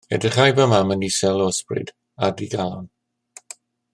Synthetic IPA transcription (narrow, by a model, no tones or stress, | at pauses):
ɛ̰dəχajbamamənisɛlˠɔəsprɨ̰d | adiɡalˠɔn